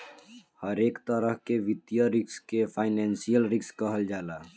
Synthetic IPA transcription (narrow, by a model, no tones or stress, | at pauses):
həɾeːkt̪əɾəɦkeʋɪt̪jəɾɪkskepʰaɪnɛ̃nsijəlɾɪkskəɦəld͡ʒaːla